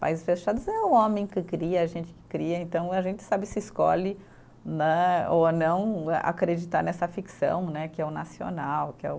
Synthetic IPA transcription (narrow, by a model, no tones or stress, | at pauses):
pa̰izɪsfeʃad̪ʊzɛũõmẽj̃kɪkɾiɐːʒẽnt͡ʃɪ̥kɪ̥kɾiɐẽnt̪ɐ̃w̃aʒẽnt͡ʃ̪ɪ̥sabɪsɪisko̰lɪ | nɛonɐ̃w̃ɛa̰kɾed͡ʒit̪aɾnɛsɐfiksɐ̰̃w̃nɛkɪɛʊnasio̰nawkɪɛ̰ʊ